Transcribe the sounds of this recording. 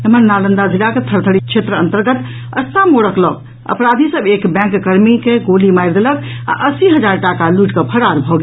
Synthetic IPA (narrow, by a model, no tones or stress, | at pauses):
emənːalənd̪ad͡ʒilaket̪ʰəɾt̪ʰəɽit͡ʃʰet̪ɾəənt̪əɾɡət̪ | ə̰st̪amoɽəklɔk̚ | ə̰pɾad̪ʱisəbekbɛ̃ŋkːəɾmikeɡolimajɾd̪elək | a̰ʔəsiɦəd͡ʒaɾʈakaluʈkəpʰəɾaɾbʱɔɡi